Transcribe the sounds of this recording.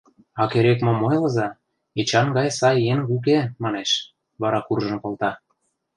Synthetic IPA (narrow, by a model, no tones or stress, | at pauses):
ɑkeɾekmomojlɤ̆zɑ | et͡ɕɑnɡɑjsɑjeŋuk̬emɑneʃ | βɑɾɑkurʒɤ̆mkŏlt̪ɑ